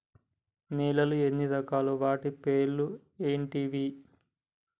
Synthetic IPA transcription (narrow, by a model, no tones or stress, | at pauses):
niːlɐluenːid̪ɐkaːluʋaːʈipeːɾɭlu | eːɳʈiːʋiː